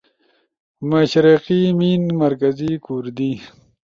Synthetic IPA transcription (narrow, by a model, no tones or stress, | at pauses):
maʃɾiqiminmɐɾkazikuɾd̪i